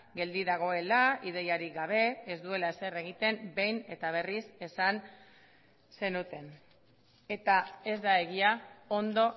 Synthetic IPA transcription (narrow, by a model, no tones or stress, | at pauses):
ɡe̞ld̪iðaɣ̞o̞e̞laið̞e̞jaɾiɡaβ̞e̞ːzd̪ue̞laese̞re̞ɣit̪e̞mbe̞jne̞t̪aβ̞e̞rise̞san | se̞nut̪e̞n | e̞t̪ae̞zd̪ae̞ɣiao̞nd̪o̞